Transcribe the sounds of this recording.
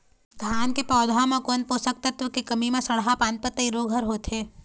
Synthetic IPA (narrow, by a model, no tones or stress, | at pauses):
d̪̥ʱjaːnkepɔːd̪ʱamẽkonpoːsək̚t̪ɐt̪ʋəkekɐmimẽsɐɽɦapãːnt̪̚pət̪ːəiɾoːɡʱəɾɦoːt̪eː